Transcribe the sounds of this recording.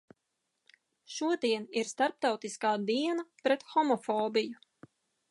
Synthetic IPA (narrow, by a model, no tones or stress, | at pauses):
ʃuɔd̪iɛniɾst̪aɾp̚t̪awt̪iskaːd̪iɛnapɾɛt̪xɔmɔfɔːbiju